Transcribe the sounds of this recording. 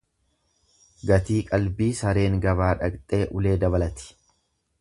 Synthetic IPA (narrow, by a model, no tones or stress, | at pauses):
ɡɐt̪iːkʼɐlbiːsɐɾe̞ːŋɡɐβaːᶑɐkt̪ʼe̞ːʔʊle̞ːd̪ɐβɐlɐt̪ɪ̥